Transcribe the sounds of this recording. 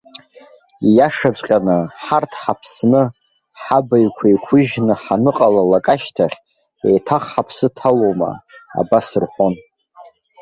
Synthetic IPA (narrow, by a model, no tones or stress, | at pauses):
jaʂat͡ɕʷʼqʲʼanɨħartʰħapʰsnɨ | ħabaɥkʷʰajkʷʰʊʒnɨħanɨqʼalalakʼaʃtʰaχʲ | ejtʰaχħapʰsɨtʰalowma̰a̰basɨrħʷon